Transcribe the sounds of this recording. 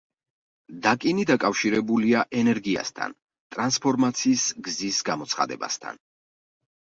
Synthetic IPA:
d̪akʼinid̪akʼafʃiɾɛbuliaʔɛnɛɾɡia̰st̪ʰa̰n | t̪ʼɾanspʰɔɾmat̪sʰiːsɡzisɡamɔt̪sʰχa̰d̪ɛ̰ba̰st̪ʰa̰n

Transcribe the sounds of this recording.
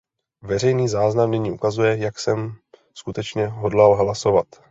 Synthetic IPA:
vɛr̝ɛjniːzaːznamniɲiːʔukazujɛjaksɛm | skut̪ɛt͡ʃɲɛɦodlalɦlaso̞vat̪

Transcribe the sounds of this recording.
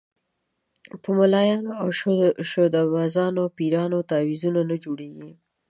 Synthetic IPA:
pəmʊlɑjɑnoawʃʃod̪awɑzɑnopiɾɑnot̪ɑwizunanad͡ʒoɽeɡi

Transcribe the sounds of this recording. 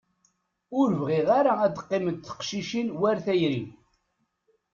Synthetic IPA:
ʊɾəvʁeʁaɾaæd̪əqːɪməd̪θə̥qʃiʃinwæɾθæjɾi

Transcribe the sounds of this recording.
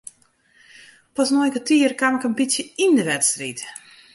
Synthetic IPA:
pɔsnojkətiərkamɪkənbitsjəindəʋɛtstrit

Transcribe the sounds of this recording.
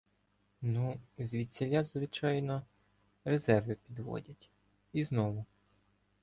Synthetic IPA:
nuzʲʋʲisʲelʲazʋɪt͡ʃɑjnɔ | rezɛrʋɪpʲid̪ʋɔ̰dʲɐtʲ | iznɔʋʊ

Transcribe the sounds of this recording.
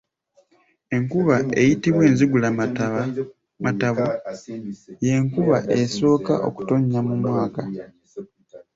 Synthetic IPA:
e̞ŋkuβae̞jitiβwe̞ːnziɡula | mataβo | je̞ŋkuβaʔe̞so̞ːka̰ʔo̞̰ku̥to̞ɲːamumwaːka

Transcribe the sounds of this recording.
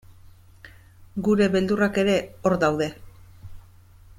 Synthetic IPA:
ɡuɾe̞βe̞ld̪urake̞ɾe̞o̞ɾd̪awðe̞

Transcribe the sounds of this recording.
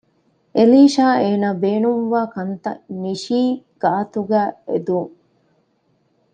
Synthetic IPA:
ʔeliːʃaːeːnaːbeːnumʋaːkɐnt̪ɐ̰niʃiːɡ̥aːt̪uɡæːed̪uːŋ

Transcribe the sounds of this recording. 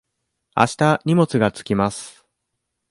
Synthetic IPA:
a̰ɕi̥t̪aɲ̟ʲimo̞t͡sɨɡat͡sɨ̥kʲimasɨ̥

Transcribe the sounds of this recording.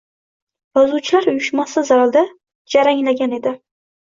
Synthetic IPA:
jɒzuwt͡ʃʰɪlaɾʊjʊʃmasɪzaɾalˠd̪a | d͡ʒaɾaŋlaɡʲane̞d̪ɪ

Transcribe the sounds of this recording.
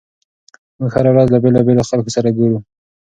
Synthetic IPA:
mʊɡhaɾawɾɑzlabelɑbeloxalkosaɾaɡeɾu

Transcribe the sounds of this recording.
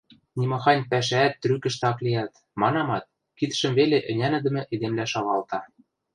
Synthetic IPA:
nʲimɑxɑnʲpæʃ̬æːt̪ːrykɘ̆ʃt̪̆ɑklijɑt̪ | mɑnɑmɑt̪̚ | kit̪ə̥̆ʃə̆mβeleʔɘ̆nʲænɘ̆d̪ə̆mɘ̆ʔed̪emlæʃɑβɑlt̪ɑ

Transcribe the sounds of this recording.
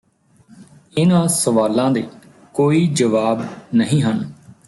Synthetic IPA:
ɪnãːsəʋaːlãːd̪eː | koːiːd͡ʒəʋaːbnəɦĩːɦən

